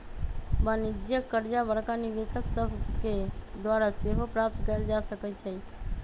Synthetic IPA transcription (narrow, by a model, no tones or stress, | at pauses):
banid͡ʒjəkːəɾd͡ʒabəɾkaniʋesəksəbʱked̪waɾaseɦopɾap̚t̪kəld͡ʒasəkət͡ʃʰɛ